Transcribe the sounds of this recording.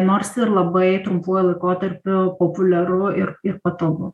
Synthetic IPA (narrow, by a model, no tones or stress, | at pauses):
noːɾsɪrlˠɐbɐɪt̪ɾʊmpoːjlˠɐɪkoːt̪ɐɾʲpʲʊpopʊlʲɛɾʊɪrɪrpɐt̪oʋʊ